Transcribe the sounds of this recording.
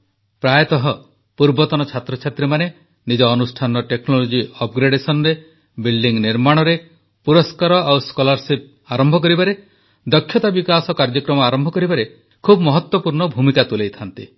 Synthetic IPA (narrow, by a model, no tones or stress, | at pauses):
pɾajt̪ɔɦɔ | puɾbɔt̪ɔnɔt͡ʃʰat̪ɾɔt͡ʃʰat̪ɾemane | nid͡ʒɔːnusʈʰanɔʈeknɔlod͡ʒiɔp̚ɡɾeɖesɔnɔɾe | bilɖiŋniɾmaɽ̃ɔɾe | puɾɔskaɾɔʔawskolaɾsip̚ | aɾɔmbʱɔk̬ɔɾibaɾe | d̪ɔkʰjɔt̪abikasɔkaɾd͡ʒɔkɾɔmɔaɾɔmbʱɔkɔɾibaɾe | kʰubmɔɦɔt̪wɔpuɾɳɔbʱumikat̪ulejt̪ʰant̪ḭ